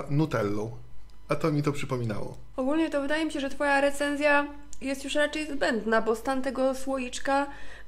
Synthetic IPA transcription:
nut̪ɛlːɔ̃w | at̪ɔmʲit̪ɔpʂɘpɔmʲina̰wɔ̰ | ɔɡulɲɛt̪ɔvɘd̪ajɛmʲiɕɛʐɛt̪fɔjaɾɛt̪sɛnzʲja | jɛst̪juʂɾat͡ʂɛjzbɛnd̪nabɔst̪ant̪ɛɡɔswɔjit͡ʂka

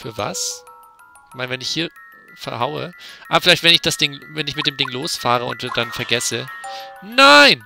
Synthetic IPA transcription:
fyːɐva̰s | ɪçmaɪnəvɛnɪçhiːɐ | fɛɐɦaʊə̰ʔaːbɐfɪlaɪçtv̥ɛnɪçd̥asd̥ɪŋvɛnɪçmɪt̚d̥eːmdɪŋloːsfaːʁ̞əʊ̰ntd̥anfɛɐɡɛsə | naɪn

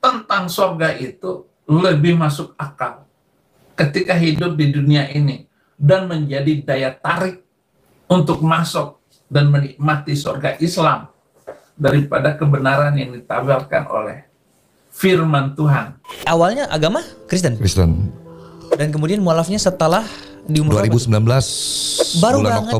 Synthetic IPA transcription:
t̪ənt̪aŋsorɡaʔit̪u | ləbɪhmasʊk̚akal | kət̪ikaɦidʊp̪̚diduniaʔini | danməɲd͡ʒadidajat̪aɾɪk̚ | unt̪ʊk̚masʊk̚ | danməniʔmat̪isorɡaʔislam | daɾipadakəbənaɾanjaŋdit̪abalka̰nʔo̰lɛ̰h | firmant̪uɦanawalɲaʔa̰ɡamakɾist̪ənkɾist̪ən | dank̬əmudianmolafɲasət̪əlah | diumuɾuaɾibusəmbilanbəlasbbaɾulaaŋkŋo

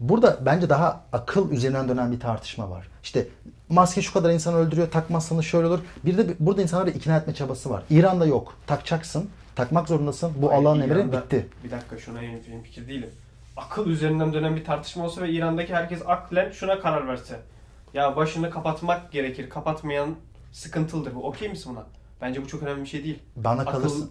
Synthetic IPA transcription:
buɾd̪abænd͡ʒɛd̪aɦaːkʰɯlˠyzeɾind̪ænd̪ø̞nænbit̪ʰaɾt̪ʰɯ̥ʃma̰va̰ɾ̥i̥ʃt̪ʰɛ | mascʲɛʃukʰad̪aɾinsanɯø̞lʲd̪yɾyjot̪ʰakmasanɯʃø̞jlʲeolˠuɾbiɾd̪ɛbuɾd̪ainsanˠaɾaʔicʰinaːjɛt̪mɛt͡ʃʰabasɯva̰ɾiːɾand̪ajo̞kt̪ʰakt͡ʃʰaksɯn | t̪ʰakmakzo̞ɾund̪asɯnbuʔalˠːaːnemɾibit̪ʰːɪbid̪akːaʃunajeimfilʲimfi̥cʰiɾd̪ijilʲim | akʰɯlˠyze̞ɾind̪ænd̪ønænbit̪ʰaɾt̪ʰɯ̥ʃmalˠsavɛiːɾand̪acʰihæɾcɛsaklʲɛnʃunakʰaɾaɾvæɾsɛ | jabaʃɯnɯkʰapat̪makɟe̞ɾecʰiɾkʰapat̪majan | sɯ̥kɯnt̪ʰɯlˠd̪ɯɾbuʔocʰejmisinbuna | b̥ænd͡ʒɛbut͡ʃʰo̞kø̞næmlʲibiʃe̞jd̪ijilʲbanakʰalˠɯɾsɯ

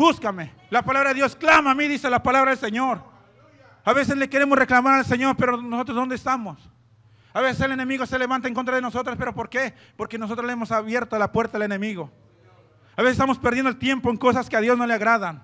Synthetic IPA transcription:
buskame | lapalaβɾaðeðjo̞sklamamiðiselapalaβɾaðe̞lseɲo̞ɾ | aβe̞se̞zle̞keɾe̞mo̞sre̞klamaɾalse̞ɲo̞ɾpe̞ɾonoso̞t̪ɾozðdo̞nd̪est̪amo̞s | aβesese̞le̞ne̞miɣo̞se̞le̞βant̪aeŋko̞nt̪ɾaðeno̞so̞t̪ɾaspe̞ɾopo̞ɾke̞ | po̞ɾkenosot̪ɾolemo̞saβje̞ɾt̪olapwe̞ɾt̪aðelene̞miɣo̞ | aβesest̪amo̞speɾðjend̪elt̪je̞mpoeŋko̞saskeaðjo̞zno̞leaɣɾaðan

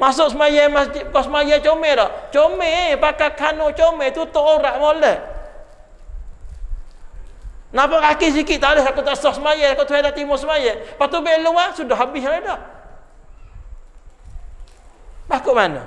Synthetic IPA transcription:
masʊʔsəmajamaskɔsəmajat͡ʃomedɔʔt͡ʃomepakakʰanoʔt͡ʃomet̪ut̪oʔoɾaʔmoləʔ | napɔkakis̬ikiʔt̪alɪsakot̪aʔsɔhsəmajaakot̪uɦadaʔt̪imʊsəmajɛpat̪ubeʔluasudɔhɦabɪɦaedɔʔ | bakoʔmanə̰

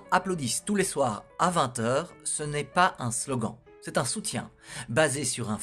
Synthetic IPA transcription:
aplod̪ist̪uleswaːʁavɛ̃t̪œːʁsənɛpaɛ̃slɔɡɑ̰̃ | sɛt̪ɛ̃sut̪jɛ̰̃ | bazesyʁɛ̃

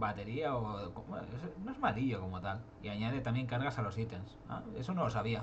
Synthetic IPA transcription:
bat̪e̞ɾiaokoesnoe̞zmaliʎoko̞mo̞t̪al | iaɲaðet̪amje̞ŋkaɾɣasalo̞sit̪ensa̰esonoosaβia

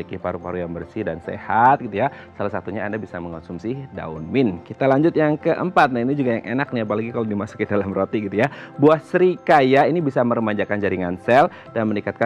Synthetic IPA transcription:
ikipaɾupaɾujaŋbərsihdansḛhat̪̚ɡit̪uja | salasat̪uɲaːndabisaməŋansumsɪhda̰unmɪnkit̪alaɲd͡ʒʊt̪̚jaŋkəʔəmpat̪̚nainid͡ʒuɡajaŋʔenak̚niapalaɡikaladimasu̥kidalamrot̪iɡit̪ujabuahsəɾikajainibisaməɾəmaɲd͡ʒakand͡ʒaɾiŋansɛl | danmənikat̪̚ka

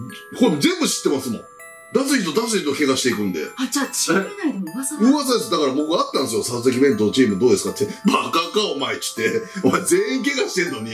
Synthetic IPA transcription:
koɾemozẽ̞mbɯ̟ɕi̥t̪ːe̞masɨmõ̰ | d̪as̬ɨçit̪o̞d̪as̬ɨçit̪o̞ke̞ɡaɕit̪e̞ikɯ̟̃nd̪e̞̰aa | ɯ̟ːβasad̪esd̪akaɾabo̞kɯ̟ɡaːt̪ːãñsɨjo̞saos̬ek̬ʲibẽ̞nt̪ont͡ɕiːmɯ̟d̪o̞ːd̪esɨ̥kat̪ʰːebakakaomait͡ɕi̥t̪ːe̞omazẽ̞ːĩŋk̬e̞ɡaɕi̥t̪e̞nːo̞ɲ̟i

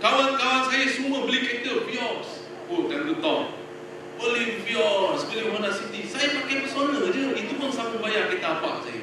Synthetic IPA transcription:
kawankawansajasuməbəlikɛt̪əpiɔrs | ok̪anɡət̪ɔp̚ | pəliŋpiɔsbəliŋhanasit̪isajamakɪnbəsonəd͡ʒəit̪upʊnsaməbajaʔkit̪aːpa̰ʔsa̰ja̰

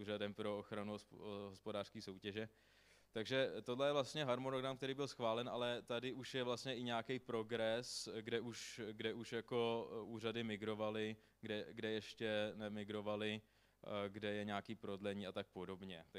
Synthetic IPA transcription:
uːɾadɛmpɾo̞oxɾanuɦospodaːr̥skiːso̞wcɛʒɛ | t̪aɡʒɛt̪odlɛjɛvlast̪ɲɛɦaɾmonoɡɾamkt̪ɛɾiːbɪlsxvaːlɛnʔalɛt̪adɪʔuʃjɛvlast̪ɲɛʔɪɲaːkɛjpɾo̞ɡɾɛsɡdɛʔuʃɡdɛʔuʃjako̞ʔuːr̝adɪmɪɡɾo̞valɪ | ɡdɛɡdɛjɛʃcɛnɛmɪɡɾo̞valɪ | ɡdɛjɛɲaːkiːpɾo̞dlɛɲiːat̪ak̚po̞do̞bɲɛt̪

